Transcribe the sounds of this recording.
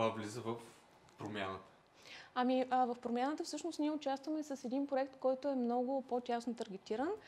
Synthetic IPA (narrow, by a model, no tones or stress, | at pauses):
vavlizəvəf | pɾomʲjanət̪ə̥ | ɐmiəvɐfpɾomʲjanət̪əfsɤʃnost̪nʲiɛʊt͡ʃast̪vəmɛsəsɛd̪inpɾoɛkt̪kɔjt̪ʊɛmnɔɡʊpot̪ʲasnot̪əɾɡ̟ʲɛt̪iɾən